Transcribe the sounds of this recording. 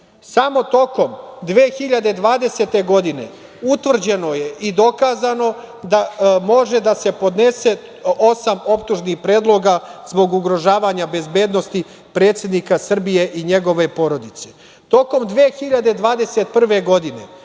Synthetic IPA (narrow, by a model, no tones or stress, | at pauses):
samo̞t̪o̞ko̞md̪ʋeːxiʎad̪ed̪ʋaːd̪e̞se̞t̪e̞ɡo̞d̪ine̞̰ | ut̪ʋr̩d͡ʑe̞no̞je̞ʔid̪o̞kaːzano̞ | d̪amo̞ʒe̞d̪ase̞po̞d̪ne̞se̞ | osamo̞pt̪uʒnixpɾeːd̪lˠo̞ɡazbo̞ɡuɡɾo̞ʒaːʋaɲabe̞zbe̞ːd̪no̞st̪i | pɾe̞ːt̪sje̞d̪nikasr̩bije̞ʔiɲe̞ɡo̞ʋe̞po̞ɾo̞d̪it̪se̞̥ | t̪o̞ko̞md̪ʋeːxiʎad̪e̞d̪ʋaːd̪e̞set̪̚pr̩ʋe̞ɡo̞d̪ine̞̰